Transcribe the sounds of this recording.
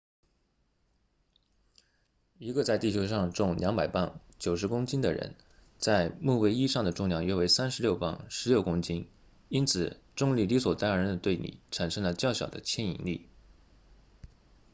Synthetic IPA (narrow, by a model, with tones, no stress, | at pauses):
i˧˥ɡə˧t͡sa˥˧ɪt̪i˥˩t͡ɕʰjo˥ʊʂɑ˥˧ŋʈ͡ʂʊ˥˧ŋljɑ˧˥ŋpa˨˩ɪpa˥˩nt͡ɕjo˨˩ʊʂ̬ɻ̩˧˥kʊ˥ŋt͡ɕi˥nd̪ə̰˨ɻə̰˧˥n | t͡sa˥˧ɪmu˥˩we˥ɪi˥ʂɑ˥˩ŋd̪ə˩ʈ͡ʂʊ˥˩˧ŋnjɑ˥˩ŋjɛ˥we˧˥ɪsa˥nʂɻ̩˧˥ljo˥˧ʊpa̰˥˩nʂɻ̩˧˥ljo˥˩ʊkʊ˥ŋt͡ɕi˥n | i˥nt͡sʰɹ̩˨˩ | ʈ͡ʂʊ˥˧ŋli˥˩li˧˥swɔ˨˩t̪a˥nə˧˥ɻə˧˥nd̪ə˧t̪we˥˩ɪnḭ˨˩ʈ͡ʂʰa˨˩nʂɤ˥ŋlə˨t͡ɕjɑ˥˩ʊɕjɑ˨˩ʊd̪ə̰˦t͡ɕʰjɛ˥nḭ˧˥ŋli˥˩